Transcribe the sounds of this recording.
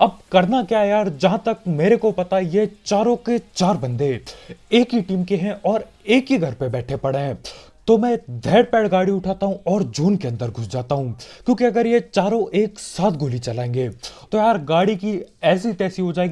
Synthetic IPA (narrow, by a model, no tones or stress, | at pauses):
ɐb̚kɐɾnakjajaːɾd͡ʒɐɦãt̪ɐkmeːɾekopɐt̪ajet͡ʃaːɾõket͡ʃaːɾbɐ̃nd̪eeːkiʈiːmkeɦɛ̃ʔɔːɾeːkiɡʱɐɾpebɛːʈʰepɐɽeɦɛ̃ | t̪omɛ̃d̪ʱɛːɽpɛːɽɡaːɽiʊʈʰaːt̪aɦũʔɔːɾd͡ʒuːnkeɐ̃nd̪əɾɡʱʊsd͡ʒaːt̪aɦũkjõːkiɐɡəɾjet͡ʃaːɾõʔeːksaːt̪̚ʰɡʱoːlit͡ʃɐlaːẽːŋɡeːt̪ojaːɾɡaːɽikiɛːs̬it̪ɛːsiɦod͡ʒaːeːɡ